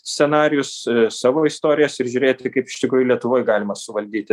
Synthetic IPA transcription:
sʲt͡sʲsʲɛnɑːɾʲɪjʊssɑːʋoːist̪oːɾʲɪjoːsɪɾʒʲʊɾʲeːt̪ʲɪkɐɪpɪʃʲt̪ʲɪkɾuːjʊlʲiɛt̪ʊʋoːjɡɑːlʲɪmɐsʊʋɐlʲd̪ʲiːt̪ʲɪ

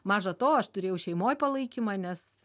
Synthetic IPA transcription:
mɑːʒɐt̪oːɐʃt̪ʊɾʲeːjɛʊʃʲɛɪmoːjpɐlˠɐɪkʲimɑːnʲɛs

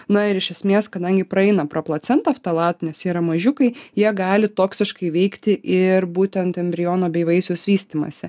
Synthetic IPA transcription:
nɐɪɾɪʃʲɛsʲmʲeːskɐd̪ɐŋʲɡʲɪpɾɐɛɪnɐpɾɐplˠɐt̪sʲɛnt̪ɐft̪ɐlˠɑːt̪nʲɛsjiːɾɐmɐʒʲʊkɐɪjiɛɡɑːlʲɪt̪oːksʲɪʃkɐɪʋʲɛɪkt̪ʲɪʔɪɾbuːt̪ʲɛnt̪ɛmʲbʲɾʲɪjoːnoːbʲɛɪʋɐɪsʲoːsʋʲiːsʲt̪ʲimɐ̰sʲɪ

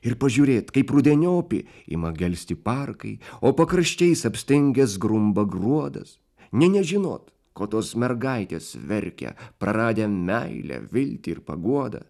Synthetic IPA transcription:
ɪɾpɐʒʲuːɾʲeːt̪kɐɪpɾʊd̪ʲɛnʲoːpʲɪ̰ | ɪ̰mɐɡʲɛlʲsʲt̪ʲɪpɑɾkɐɪoːpɐkɾɐʃʲt͡ʃʲɛɪsɐpʲsʲt̪ʲɪŋʲɡʲɛsɡɾʊmbɐɡɾuɔd̪ɐ̰s | nʲɛnʲɛʒʲɪno̰ːt̪ | koːt̪oːsmʲɛɾɡɐɪt̪ʲḛːsʋʲɛɾʲkʲɛ̰pɾɐɾɑːd̪ʲeːmʲɛɪlʲɛ̰ʋʲɪlʲt̪ʲɪɪɾpɐ̰ɡuɔd̪ɐ̰

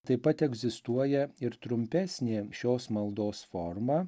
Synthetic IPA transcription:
t̪ɐɪpɐt̪ɛɡzʲɪst̪uɔjɛɪɾt̪ɾʊmʲpʲæsʲnʲeːʃʲoːsmɐlˠd̪oːsfɔɾmɑː

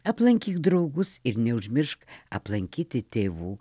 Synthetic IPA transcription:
ɐplˠɐŋʲkʲiːkd̪ɾɐʊɡʊsɪɾnʲɛʊʒʲmʲɪɾʃkɐ̰plˠɐŋʲkʲiːt̪ʲɪt̪ʲeːʋuː

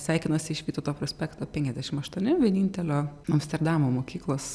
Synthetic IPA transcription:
sʲæˑɪkʲɪnɐsʲɪɪʃʋʲiːt̪oːt̪oːpɾoːsʲpʲɛkt̪oːpʲɛŋʲkʲɛzd̪ʲæʃʲɪmɐʃt̪uɔnʲɪʋʲiɛnʲiːnʲt̪ʲɛlʲoːɐmst̪ʲɛɾd̪ɑmoːmoːkʲiːklˠoːs

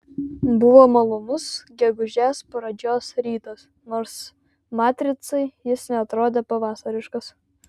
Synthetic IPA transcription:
bʊʋoːmɐlˠʊnʊsɡʲɛɡʊʒʲæːspɾɐd͡ʒʲoːsɾʲiːt̪ɐs | noːɾs | mɑːt̪ʲɾʲɪt̪sɐɪjɪsnʲɛɐt̪ɾoːd̪ʲeːpɐʋɑːsɐɾʲɪʃkɐs

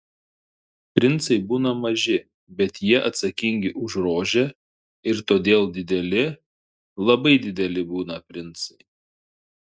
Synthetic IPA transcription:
pʲɾʲɪnt̪sɐɪbuːnɐmɐʒʲɪ | bʲɛt̪jiɛʔɐt̪sɐkʲɪŋʲɡʲɪʔʊʒɾoːʒʲe | ɪɾt̪oːd̪ʲeːlˠd̪ʲɪd̪ʲɛlʲɪ | lˠɐbɐɪd̪ʲɪd̪ʲɛlʲɪbuːnɐpʲɾʲɪnˑt̪sɐɪ

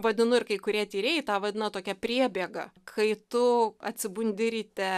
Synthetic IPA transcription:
ʋɐd̪ʲɪnʊɪɾkɐɪkʊɾʲiɛt̪ʲiːɾʲeːjɪt̪ɑːʋɐd̪ʲɪnɐt̪oːkʲɛpʲɾʲiɛbʲiɛɡɐkʰɐɪt̪ʊɐ̰t̪ʲsʲɪbʊnʲd̪ʲɪɾʲiːt̪ʲɛ

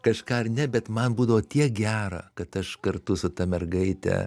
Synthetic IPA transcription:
kɐʃkɑːɐrnʲɛbʲɛt̪mɐnbuːd̪ɐʋoːt̪ʲiɛk̚ɡʲæːɾɐ̰kɐt̪ɐʃkɐrt̪ʊsʊt̪ɐmʲɛrɡɐɪt̪ʲɛ̰

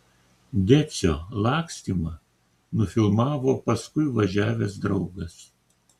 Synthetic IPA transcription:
d̪ʲæt̪sʲoːlˠɑːksʲt̪ʲimɐ | nʊfʲɪlˠmɑːʋoːpɐskʊɪʋɐʒʲæːʋʲɛs̬d̪ɾɒʊɡɐs

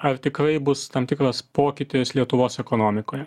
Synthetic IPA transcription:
ɐɾt̪ʲɪkɾɐɪbʊst̪ɐmt̪ʲɪkɾɐspoːkʲɪt̪ʲɪslʲiɛt̪ʊʋoːsɛkonoːmʲɪkoːjɛ

